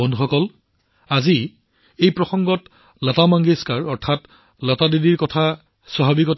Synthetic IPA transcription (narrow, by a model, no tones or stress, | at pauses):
ɔndʱuxɔkɔl | azi | ejpɹɔxɔŋɡɔt | latamaŋɡiskaɹɔɹtʰat | latadidiɹkɔtʰa | saɦabikɔtʰ